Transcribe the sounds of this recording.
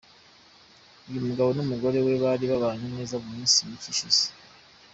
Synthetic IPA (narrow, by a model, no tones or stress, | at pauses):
jomuɡaβo̞numuɡo̞ɾe̞we̞βaɾiβaβaːn̥unne̞ːzaβumiːnsiniciʃisi̥